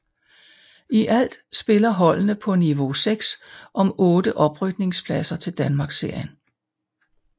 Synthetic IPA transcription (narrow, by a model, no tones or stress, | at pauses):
iʔæl̰d̥sb̥e̝lɐɦɒ̽l̰nəpʰɒ̽niʋo̝seɡ̥sʔɒ̽mɔ̽ːdəʔɒ̽b̥ʁyɡ̥d̥ne̝ŋspʰlæsɐt͡sʰe̝ld̥ænmɑ̈ːɡ̥se̝ɐ̰jən